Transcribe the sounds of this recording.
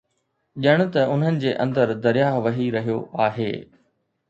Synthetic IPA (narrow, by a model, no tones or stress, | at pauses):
ʄɪəɽ̃ʊ̆t̪ɐʊn̤ənɪ̆d͡ʑeːʔɐ̰̃nd̪əɾd̪ɐɾɪjaːɦʋɐɦiɾɐɦijo̰ʔaːɦḛː